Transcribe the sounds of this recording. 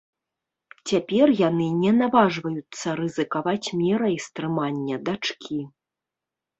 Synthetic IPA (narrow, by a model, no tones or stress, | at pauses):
t͡sʲapʲɛrjanɨnʲɛnavaʐvɐjut̪sːɐɾɨzɨkavat͡sʲmʲɛɾɐist̪ɾɨmanʲːɐd̪at͡ʂkʲʰi